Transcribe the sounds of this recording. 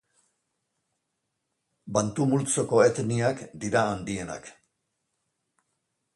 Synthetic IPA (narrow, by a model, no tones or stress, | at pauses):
bant̪umult͡soko̞et̪niakd̪iɾaːnd̪iena̰k